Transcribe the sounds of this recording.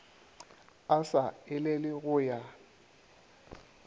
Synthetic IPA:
asaɪlelɪɣʊːja

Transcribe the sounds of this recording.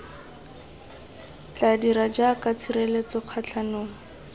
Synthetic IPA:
t͡ɬadiɾad͡ʒakat͡sʰirelet͡sɔq͡χʰat͡ɬʰanʊːŋ̩

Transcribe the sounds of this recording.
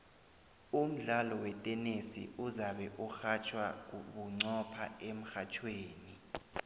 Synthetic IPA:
um̩ɮalɔwɛtʼɛnesḭʔuzaɓɛʔuxat͡ʃʰwak̬uɓuŋ͡ǀɔpʰa̰em̩xat͡ʃʰweːni

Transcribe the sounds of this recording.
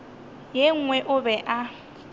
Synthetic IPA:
jeŋ̩ŋwɛʔʊbɛʔa

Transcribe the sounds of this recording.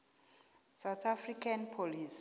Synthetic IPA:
sawt̪ʰafrikʰanpʰolis

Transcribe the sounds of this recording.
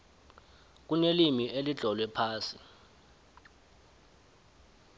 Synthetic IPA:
k̬unelimiʔeliɮʱɔlwɛpʰaːsi

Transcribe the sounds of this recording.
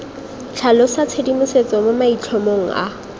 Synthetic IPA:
t͡ɬʰalɔsat͡sʰedimʊset͡sʼɔmomait͡ɬʰomoŋ̩a̰

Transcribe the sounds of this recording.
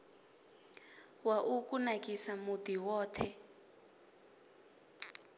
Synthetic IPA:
waʔukʼunakʼisamudiwɔːtʰɛ

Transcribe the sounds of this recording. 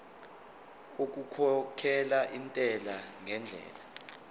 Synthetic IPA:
ok̬ukʰɔkʰɛlaʔintʼɛlaŋɛnd͡ɮʱɛ̰ːla

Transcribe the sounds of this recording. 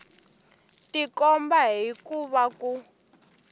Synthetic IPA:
tikɔmbaɦikuβaku

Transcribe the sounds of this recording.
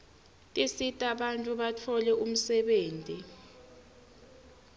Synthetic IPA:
tʼisitʼaɓantʼuɓatʰɔlɛum̩sɛɓeːntʼi

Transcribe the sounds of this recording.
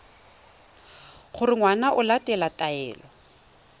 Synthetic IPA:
χʊrɪŋwanaʔʊlatɛlatʼaɛ̰ːlɔ

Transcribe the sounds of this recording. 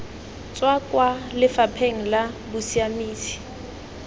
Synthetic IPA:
t͡sʼwakʼwalɪfapʰeŋ̩labʊsiamiːsi̥

